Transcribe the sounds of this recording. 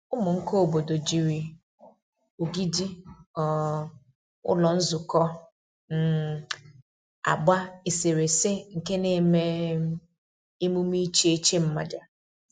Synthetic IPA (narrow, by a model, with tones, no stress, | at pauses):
ʊ˦mʊ˨ŋ̩˦ko˦o˨bo˨do˨d͡ʒi˨ɾi˨ | o˨ɡi˦di˦ɔ˨ | ʊ̰˦lɔ˨n̩˦zʊ˨kɔ˦ | n̩˦ | a̰˨ɡ͡ba˦e˨se˨ɾe˨se˦ŋ̩˨ke˦ne˦˨me˦ | e˦mu˦m˦i˦t͡ʃe˦t͡ʃe˦m̩˦ma̰˨d͡ʒa˨